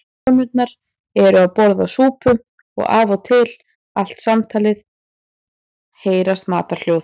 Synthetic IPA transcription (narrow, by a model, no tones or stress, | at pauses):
mʏt̪̚naɾ̥ | ɛɾʏawpɔɾðasuːpʏ | ɔ̰ɣa̰ːvɔt̪ʰɪl | al̥t̪samt̪ʰaːlɪð | heːjɾast̪ma̰ːt̪aɾ̥l̥joːw